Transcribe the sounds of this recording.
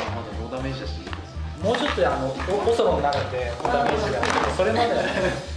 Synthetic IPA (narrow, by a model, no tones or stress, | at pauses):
mad̪eboːd̪ameɕiaɕi | moːt͡ɕo̞t̪ːoanoooso̞ɾonnaɾɯt̪ːeoːd̪ameːɕiɡaso̞ɾenaa